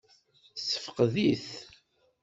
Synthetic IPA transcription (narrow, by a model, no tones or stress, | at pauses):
sə̥fə̥qðiθ